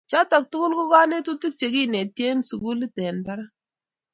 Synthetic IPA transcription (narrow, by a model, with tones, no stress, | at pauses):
t͡ʃɔ˦tɔ˨k̚tʊ˦kʊ˦lkʊ˦ka˦ne˦tu˦tu˦k̚t͡ʃe˨ki˦˨ne˨tje˦nsu˨ɡu˦li˦tɛ˨nba˦ɾa˦